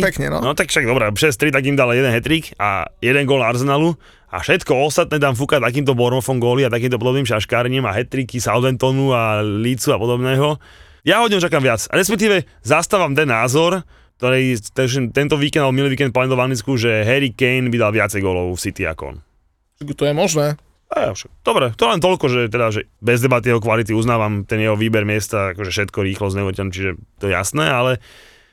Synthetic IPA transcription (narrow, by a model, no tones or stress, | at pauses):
pɛkɲɛnɔ̰nɔt̪akfʃaɡ̚d̪ɔbɾɛʃɛst̪ɾit̪akimd̪aljɛd̪ɛnɦɛt̪ɾiːka̰jɛd̪ɛŋɡɔlaɾs̬ɛnaːlu | a̰fʃɛt̪kɔɔst̪at̪̚nɛːt̪aːmfukat̪ak̬iːmt̪ɔbɔɾmɔfɔŋɡɔːliat̪ak̬iːmt̪ɔpɔd̪ɔbniːmʃaʃkaːɾɲimaɦɛt̪ɾikisald̪ɛnt̪ɔnualit͡suapɔd̪ɔbnɛːɦɔ | jaɦɔdɲɔt͡ʃakamʋɪat͡sɾɛspɛk̚t̪iːʋɛ | zast̪aːʋamt̪ɛnːaːzɔɾ | k̚t̪ɔɾɛjt̪ɛʃɛmt̪ɛnt̪ɔʋiːkɛnd̪abɔmiliʋiːkɛnt̪̚paɛt̪ɔʋannit͡skuʒɛɦɛɾikɛjnbid̪alʋɪat͡sɛjɡɔlɔʊfsit̪ia̰kɔɔ̰n | akut̪ɔjɛmɔʒnɛː | aa̰ʃad̪̥ɔbɾɛt̪ɔɛlɛnt̪̬ɔlkɔʒɛt̪ɛd̪aʒɛbɛzd̪ɛbat̪ijɛɦɔkʋalit̪̬iuznaːʋamt̪ɛnjɛɦɔʋiːbɛɾmɪɛst̪aakɔʒɛfʃɛt̪kɔɾiːxlɔzɲɛuʋɾcɛnut͡ʃiʒɛt̪ɔjɛja̰snɛːalɛ